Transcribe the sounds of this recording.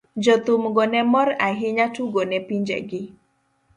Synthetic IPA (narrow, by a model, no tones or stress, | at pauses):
d͡ʒɔt̪umɡɔnɛmɔɾaɦiɲatuɡɔnɛpiɲd͡ʒɛ̰ɡɪ